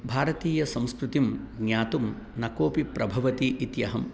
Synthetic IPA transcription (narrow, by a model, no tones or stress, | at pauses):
bʱaːɾɐt̪iːjɐsɐ̃m̃skɾut̪imɡnjaːt̪um | nɐkoːpipɾʔɐbʱɐʋɐt̪iʔit̪jɐɦɐm